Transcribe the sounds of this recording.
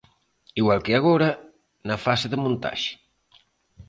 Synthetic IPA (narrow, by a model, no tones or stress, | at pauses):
iɣwalˠkeaɣoɾa | nafaseðəmũnt̪a̰ʒi̥